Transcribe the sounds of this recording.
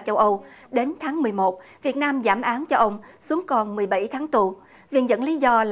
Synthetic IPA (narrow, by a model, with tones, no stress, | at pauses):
t͡ɕə˧wʔə˧w | ɗe˨˦nt̪ʰaː˨˦ŋmɨ˨˩əjmo˨˩t̚vi˨˩ət̚naː˧mzaː˧˩mʔaː˨˦nt͡ɕɔ˧ʔə˧wŋ͡msu˨˦əŋkɔ˧˩nmɨ˨˩əjɓə˧˩jt̪ʰaː˨˦ŋt̪u˨˩ | vḭ˧˨˩nzə̰˧˥nli˨˦zɔ˧l